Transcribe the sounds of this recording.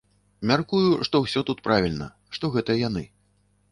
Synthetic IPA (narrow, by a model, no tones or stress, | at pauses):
mʲarkujuʂt̪ɔwsʲɔt̪ut̪̚pɾavʲilʲnɐ̰ | ʂt̪ɔɣɛt̪ɐjɐjanɨ